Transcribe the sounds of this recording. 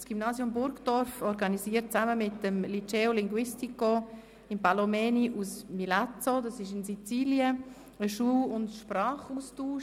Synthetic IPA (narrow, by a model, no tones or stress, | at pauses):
sɡ̥imnaːsjʊmbʊɾkd̥ɔɾfɔɾɡɑnisiːət̚t͡saməmɪtəmlit͡ʃeːolɪŋɡwɪstiko | ɪmpalomɛːniʔusmilat͡sodɑsɪʃɪnsit͡siːljə | əʃuːlʊntʃpɾɑːχustuːʃ